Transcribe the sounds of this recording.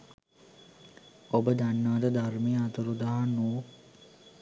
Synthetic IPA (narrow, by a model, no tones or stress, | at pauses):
obəd̪anːaːt̪əd̪armejəat̪əɾud̪aɦanuː